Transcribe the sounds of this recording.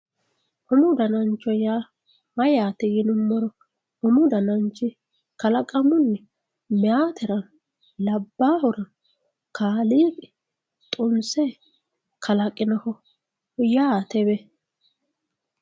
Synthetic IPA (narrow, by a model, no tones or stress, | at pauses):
hʊmʊd̪ɐnɐnt͡ʃːɔja | mɐjaːt̪ɛɡɪnʊmːɔɾɔ | hʊmʊd̪ɐnɐnt͡ʃːɪ | kɐlɐkʼɐmʊnːɛ | mɛaːt̪ɛɾɐn | lɐbːaːhʊɾɐn | kaːliːkɛ | t̪ʼʊnsɛ | kʰɐlɐkʼːɪnɐhɔ | jaːt̪ɛbɛ